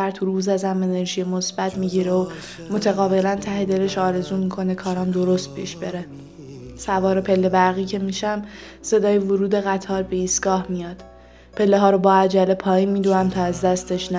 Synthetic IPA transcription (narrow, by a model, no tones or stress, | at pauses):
æɾt̪ʰuɾuːzæzæme̞ne̞ɾʒijemo̞sb̥æt̪ʰmiːɟiːɾeo | mo̞t̪ʰæɣɒːve̞lænt̪ʰæhe̞d̪e̞le̞ʃɒːɾe̞zuːmiːkʰo̞ne̞kʰɒːɾæmd̪o̞ɾo̞st̪̚pʰḭːʃb̥e̞ɾe̞ | sævɒːɾe̞pʰe̞lːe̞bæɾɣiːcʰe̞miːʃæm | se̞d̪ɒːjevoɾuːd̪e̞ɣæt̪ʰɒːɾbe̞iːst̪ɡ̥ɒːhmijɒːd̪̥ | pʰe̞lːeɦɒːɾobɒːæd͡ʒælːe̞pʰɒːiːnmid̪uæmt̪ʰɒːæzd̪æst̪e̞ʃnæ